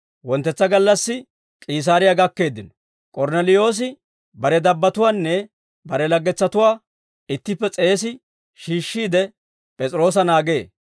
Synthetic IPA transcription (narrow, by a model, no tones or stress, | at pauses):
wɔnt̪ːɛt͡sːɐɡɐlːɐsːɪ | kʼiːs̬aːɾɪjaɡɐkːe̞ːd̪ːɪnɔ̥ | kʼɔɾnɛlɪjo̞ːs̬ɪ | bɐɾɛd̪ɐbːɐt̪ʊwaːnːɛ | bɐɾɛlɐɡːɛt͡sːɐt̪ʊwaː | ɪt̪ːɪpːɛt͡sʼe̞ːs̬ɪ | ʃiːʃːiːd̪ɛ | pʼɛt͡sʼɾo̞ːs̬ɐnaːɡe̞ː